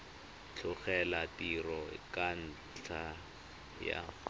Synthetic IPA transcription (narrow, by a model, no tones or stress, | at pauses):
t͡ɬʰʊχɛlatirɔkan̩ | t͡ɬʰa | ja̰